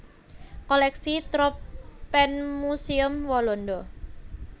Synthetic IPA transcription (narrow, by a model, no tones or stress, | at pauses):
kɔlɛksit̪ɾɔpːɛnmusiʊmwɔlɔndɔ